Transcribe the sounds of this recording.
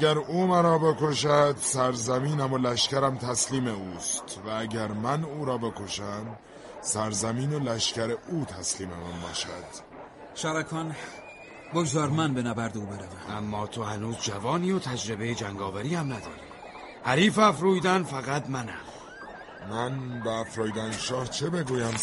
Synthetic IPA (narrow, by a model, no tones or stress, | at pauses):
æɡæɾuːmænɒːbe̞koʃæd̪̥sæɾzæmiːnæmolæʃcæɾæmt̪ʰæsliːmeuːst̪ʰvææɟæɾmænuːɾɒːbe̞kʰo̞ʃæm | sæɾzæmiːnolæʃcæɾeʔuːt̪ʰæsliːmemænbɒ̰ːʃæd̪̥ | ʃæɾækʰɒːn | boɡzɒːɾmænbenæbæɾd̪euːbe̞ɾævæmʔæmːɒːt̪ʰo̞hænuːzd͡ʒævɒːniːot̪ʰæd͡ʒɾe̞be̞jed͡ʒæŋɡɒːvæɾiːhæmnæd̪ɒ̰ːɾḭː | hæɾiːfæfɾuːjd̪ænfæɣæt̪mænæ̰m | mænbeːfɾɔːjd̪ænʃɒːht͡ʃʰebe̞ɡuːjæm